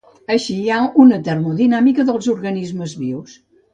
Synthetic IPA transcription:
əʃiaunət̪ɛɾmuðinamikəðəlˠzuɾɣɐnizməzβiws

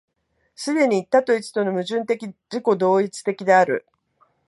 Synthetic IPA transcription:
sɨd̪e̞ɲ̟iːt̪ːat̪o̞it͡sɨ̥t̪o̞no̞mɯ̟ʑɨ̃nt̪e̞kʲid͡ʑiko̞d̪o̞ːit͡sɨ̥t̪e̞kʲid̪e̞aɾɯ̟̰

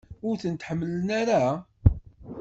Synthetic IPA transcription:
ʊɾθənt̪ħəmːələnaɾa

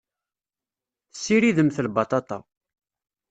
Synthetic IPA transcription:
θsːiɾiðəmθəlbɑt̪ˤɑt̪ˤɑ

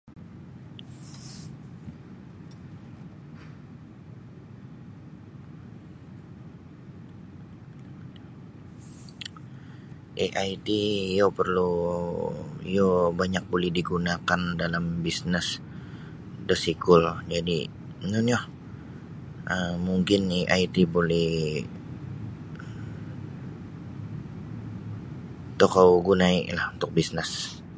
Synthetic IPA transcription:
ʔeʔaitijopərlu | ḭjobaɲak̚bolɛhdiɡunakandalambisnɛs | dəsikʊld͡ʒadḭ | ənʊnjo | əmuŋkɪneʔait̪ibolɛh | t̪okawɡunaḭlahunt̪ʊk̚bisnɪs

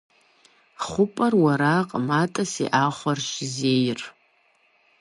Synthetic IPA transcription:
χʷʊpʼɐrwaɾaqʼmatʼasḭʔaχʷarʃzejr

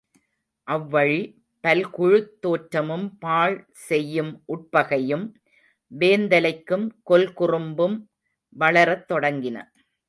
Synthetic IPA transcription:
ʔɐʋːɐɻi | pɐlkʊɻɯt̪ːoːʈɾɐmɯmpaːɭ | sɛjːɯmʔʊʈ̚pɐɣɐjɯm | ʋeːnd̪ɐlɐɪkːɯmkɔlkʊrɯmbɯm | ʋɐɭɐɾɐt̪ːɔɽɐŋɡɪnɐ̰

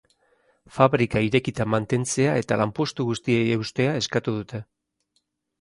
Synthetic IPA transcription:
faβɾikaiɾe̞kit̪amant̪e̞nt͡se̞ae̞t̪alampo̞st̪uɣust̪ie̞jewst̪e̞ae̞skat̪uðut̪e̞

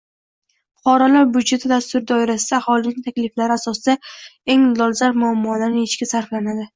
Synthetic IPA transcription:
χɒɾalaɾbʊd͡ʒe̞t̪ʰɪd̪ast̪ʊɾd̪ɒɪɾasɪd̪aːhɒlɪnɪŋʲt̪ʰakʲlɪflaɾɪasɒsɪd̪ae̞ŋlɒlˠzaɾmʊamːɒlaɾnɪet͡ʃkʲɪsaɾflanad̪ɪ

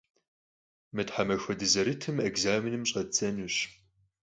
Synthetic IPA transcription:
mɨtħamɐxʷɐdɨzɐɾɨtʰɨmeɡzaːmɪnɨmɕʼɐt͡sɐnuɕ

